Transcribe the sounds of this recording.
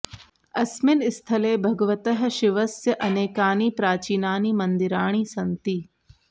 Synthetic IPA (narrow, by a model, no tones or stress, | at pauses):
ɐsmɪnɪst̪ʰɐleːbʱɐɡəʋət̪əɦʃɪʋɐsjəʔɐneːkaːniːpɾaːt͡ʃiːnaːniːmɐ̃nd̪ɪɾaːɽ̃iːsɐnt̪iː